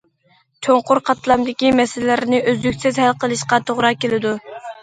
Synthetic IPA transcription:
t͡ʃʰoɴqʊɾqʰɑt̪ʰlˠɑmd̪ɪkʲimɛsɪllɪɾɪnɪʔøzlykʲsɪzhælqʰəlˠɨʃqɑt̪ʰoʁɾɑkʲelɪd̪u

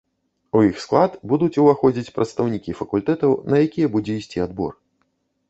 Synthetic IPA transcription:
ujixsklˠat̪bud̪ut͡sʲuvaxɔd͡zʲit͡sʲpɾʔɐt̪st̪ɐwnʲikʲifɐkulʲt̪ɛt̪ɐwnɐjakʲijɛbud͡zʲɛisʲt͡sʲiad̪bɔ̰r

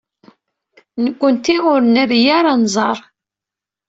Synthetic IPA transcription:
nəkʷːənt̪iʁʊɾnæɾijaɾˤanzˤɑɾˤ

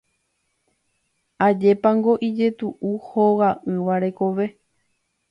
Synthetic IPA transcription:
ad͡ʒe̞pãŋɡo̞ʔid͡ʒe̞t̪uʔuhowaʔɨ̃ʋaɾe̞ko̞ʋe̞

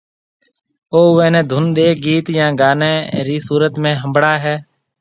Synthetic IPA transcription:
oːʋɛ̃ːnɛ̃ːd̪ʱʊnɗeːɡiːt̪jãːɡaːneːɾiːsuːɾət̪mẽːɦəmbɽaːɦɛː

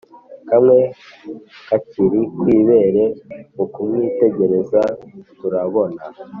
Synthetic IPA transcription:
kamŋe̞ | kaciɾikwiːβe̞ɾe̞ukumŋite̞ɟe̞ɾe̞zatuɾaβo̞na

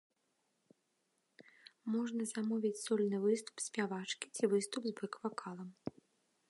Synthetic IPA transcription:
mɔʐnɐzamɔvʲit͡sʲsɔlʲnɨvɨst̪u̥psʲpʲavat͡ʂkʲi̥t͡sʲivɨst̪ubzbɨkvakʰalˠɐm

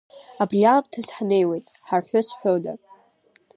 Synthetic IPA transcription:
abriamtʰasħanejwe̞jtʼħarħʷʊsħʷᶣoda

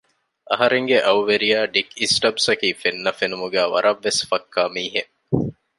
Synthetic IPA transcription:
ʔɐ̰ɦɐɾeŋɡeʔɐwuʋeɾijæːɖikisʈɐbsɐkiːfenːɐfenumuɡæːʋɐ̰ɾɐʋːesfɐkːaːmiːɦe

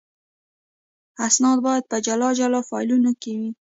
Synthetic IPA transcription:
asnɑd̪̚bɑjad̪̚pad͡ʒalɑd͡ʒalɑfɑ̰jlunokewi

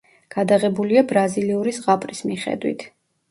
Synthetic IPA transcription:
ɡ̥ad̪aʁɛbuliabɾaziliuɾisʁapʼɾismiχɛ̰d̪wḭt̪ʰ

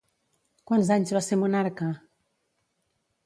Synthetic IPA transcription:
kwanzaɲzβaseɾmunaɾka

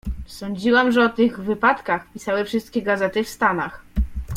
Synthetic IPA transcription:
sɔɲd͡ʑiwamʐɛɔt̪ɘɣvɘpat̪kaxpʲisawɘfʂɘst̪̚kʲɛɡazɛt̪ɘfst̪anax

